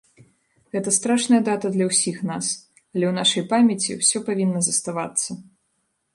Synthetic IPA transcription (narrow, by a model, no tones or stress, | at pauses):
ɣɛt̪ɐst̪ɾaʂnɐjɐd̪at̪ɐd̪lʲɐwsʲixnas | ɐlʲɛwnaʂɐjpamʲjɐt͡sʲḭwsʲɔpavʲinːɐzɐst̪avat̪sːɐ